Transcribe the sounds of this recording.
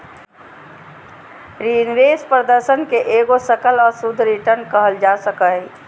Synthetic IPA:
ɾinʋeːspɾəd̪əɾsənkeʔeɡosəkəlɔːɾsud̪ʱɾiʈəɾnkəɦəld͡ʒasəkə

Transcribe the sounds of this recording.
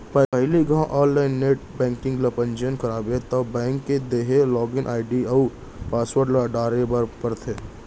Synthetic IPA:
pɐɐɦɪliɡãʔɔːnlaːɪnːeːʈbɛ̃ːŋkɪ̃ŋɡlɐpə̃nd͡ʒənkɐɾaːbet̪ɐbɛ̃ːŋkːed̪eːɦelɔːɡɪnʔaːɪɖiɐu | paːswəɾɖlaɖaːɾebəɾpəɾt̪ʰeː

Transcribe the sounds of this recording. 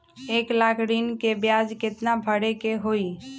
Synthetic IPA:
eːklaːkʰɾinkebjaːd͡ʒkɪt̪nabʱəɽekeɦoːi

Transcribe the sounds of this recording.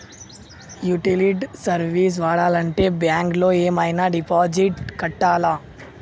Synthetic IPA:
juʈiliɖsɐɾʋiːs̬ʋaːɽaːlɐɳʈeːbjaːŋkloːeːmaːjnaːɖipaːd͡ʒiʈkɐʈːaːlaː

